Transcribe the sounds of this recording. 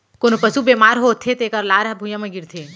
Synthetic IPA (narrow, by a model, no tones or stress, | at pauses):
koːnopɐsubeːmaːɾɦoːt̪ʰːet̪eːkəɾlaːɾɐbʱujãmɐ̃ɡiɾt̪ʰeː